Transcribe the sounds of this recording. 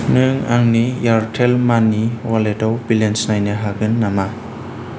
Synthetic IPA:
nɯŋa̰ŋnijaɾtʰelmanːiwaledɔwbilensnajnɯɦaɡɯnːama

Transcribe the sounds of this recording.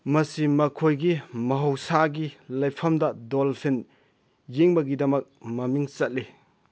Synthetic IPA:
mɐsimɐkʰojɡimɐɦɐwsaɡilɐjpʰɐmdɐdolpʰin | jeŋbɐɡidɐmɐk̚mɐmiŋt͡ʃɐt̚li

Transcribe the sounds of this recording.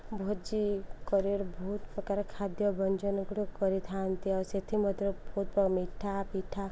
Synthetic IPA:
bʱot̪d͡ʒikɔɾiɾbʱɔut̪pɾɔkaɾkʰad̪jɔbɔnd͡ʒɔnɡɽukɔɾit̪ʰant̪iɔset̪ʰimɔd̪ʱɔbʱot̪̚pɔmiʈʰapiʈʰːa

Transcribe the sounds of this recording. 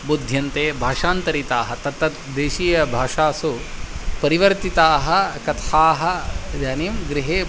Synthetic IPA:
bud̪ʱjɐnt̪eːbʱaːʂaːnt̪ɐɾit̪aːɦɐt̪ɐt̪ːɐt̪d̪eːʃiːjɐbʱaːʂaːsupɐɾiʋɐɾt̪it̪aːɦɐkɐt̪ʰaːɦɐd͡ʒaːnimɡɾiɦeː

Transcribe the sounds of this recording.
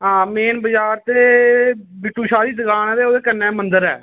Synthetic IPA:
ɦãːmeːnbəd͡ʒaːɾt̪eː | bɪʈuːʃaːd̪iːd̪əɡaːnɛːd̪eːoːd̪eːkənɛ̃ːmənd̪əɾɛ̰ː

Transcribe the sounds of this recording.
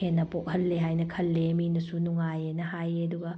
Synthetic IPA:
enːɐpok̚hɐlːeɦajnɐkʰɐlːeminɐsunuŋajenɐɦajɐduɡɐ

